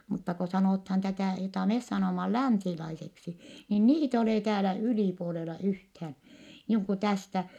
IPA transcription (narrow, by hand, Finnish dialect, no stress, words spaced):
mutːɑ ko sɑnoˑthɑːn tætæˑ jotɑˑ mes sɑnoˑmɑ læˑnsilɑiseksi niːn niːt e oleˑ tæːlæ yliˑpuolelɑ yhthæːn̞ niːŋ ku tæstæ